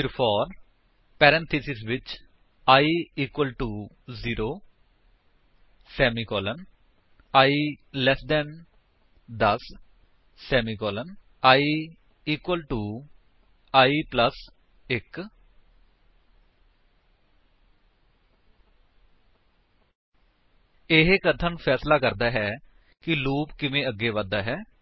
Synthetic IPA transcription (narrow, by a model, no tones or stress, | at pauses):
iɾfɔːɾ | pɛɾɛ̃nt̪ʰisisʋɪt͡ʃ | ajiːkwəlʈu | ziɾo | semikɔlə̃n | ajlɛsd̪ɛ̃n | d̪ɐsː | emikɔːlə̃n | aj | iːkwəlʈuː | aːiːpləs | ɪk | ɪɦekət̪ʰənpʰɛːslaːkəɾd̪aːɦɛː | kɪluːpkɪʋẽːəɡːeːʋad̪aːɦɛː